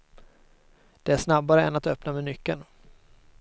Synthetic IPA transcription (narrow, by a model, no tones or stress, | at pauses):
d̪̥ɛæʂnabːaɾəɛ̰nat̪œpnamɛnʏkːən